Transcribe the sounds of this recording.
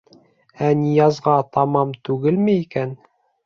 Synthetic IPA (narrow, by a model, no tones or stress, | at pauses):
ænijɑzʁɑt̪ɑmɑmt̪ʉɡɘlmɘikæn